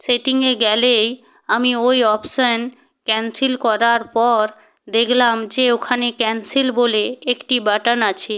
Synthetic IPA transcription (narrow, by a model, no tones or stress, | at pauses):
seʈiŋeɡɛlej | amiojɔpʃan | kɛnsilkɔɾaɾpɔɾ | d̪ekʰlamd͡ʑeokʰanekɛnsilboleekʈibaʈanat͡ɕʰe